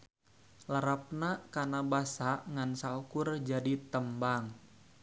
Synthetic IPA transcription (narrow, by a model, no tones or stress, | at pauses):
ləɾap̚nakanabasaʔŋansaukʊrd͡ʒadit̪əmbaŋ